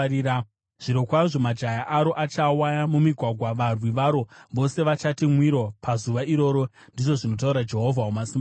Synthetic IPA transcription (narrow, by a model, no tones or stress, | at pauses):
ʐ̥iɾokwaʐo̞mad͡ʒajaʔaɾo̞ʔat͡ʃawajamumiɡʱwaɡʱwaʋarwiʋaɾo̞ʋo̞se̞ʋat͡ʃatimwiɾopʰazuʋaiɾo̞ɾo̞ndiʐo̞ʐino̞t̬auɾad͡ʒe̞ɦo̞vʱawomasima